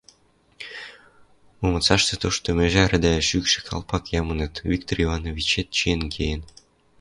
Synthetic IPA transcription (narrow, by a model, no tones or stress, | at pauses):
momɤ̆t͡sɑʃt̪ĕt̪oʃt̪omeʒeɾɘ̆d̪æeʃykʃɘ̥̆kʰɑ̰lˠpɑkjɑmɤnɤt̪vʲikt̪orivɑnovʲit͡ɕet̪̚t͡ɕijenkʰejən